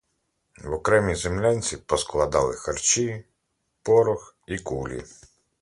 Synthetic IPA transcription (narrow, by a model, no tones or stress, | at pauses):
wɔkɾɛmʲizemlʲanʲt͡sʲipɔsklˠɐd̪ɑlˠɪxɐrt͡ʃi | pɔɾɔx | ikulʲḭ